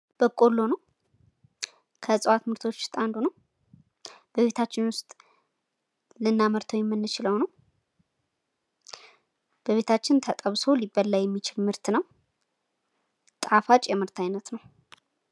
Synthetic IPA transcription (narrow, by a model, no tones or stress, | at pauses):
b̥əkʼo̞lːo̞nəw | kʰəsʼəwat̪mɨɾt̪ʰo̞t͡ʃːst̪ʼand̪unəw | b̥əβe̞t̪ʰat͡ʃːɪnwʊst̪ʼ | lɨnːaməɾt̪ʰəwjɛmːɨnːɨt͡ʃɪləwnəw | b̥əβe̞t̪ʰat͡ʃːɪnt̪ʰət̪ʼəβso̞libəlːəjɛmːit͡ʃʰɪlmɨɾt̪nəw | t̪ʼafat͡ʃʼjɛmɨɾt̪ʰajnət̪nəw